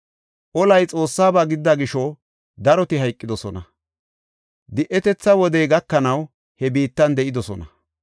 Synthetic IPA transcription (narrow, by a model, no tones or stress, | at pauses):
ʔɔlɐjt͡sʼo̞ːsːaːbaːɡɪd̪ːɐɡɪʃɔ | d̪ɐɾɔt̪ɪɦɐjkʼːɪd̪ɔsɔnɐ | d̪ɪʔɛt̪ɛt͡sːɐwɔd̪ɛjɡɐkːɐnɐw | hɛbiːt̪ːɐnd̪ɛʔɪd̪ɔsɔ̰nɐ